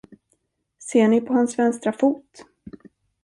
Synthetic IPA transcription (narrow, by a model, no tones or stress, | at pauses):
seːɳɪpʰɔhansvɛnst̪ɾafuːt̪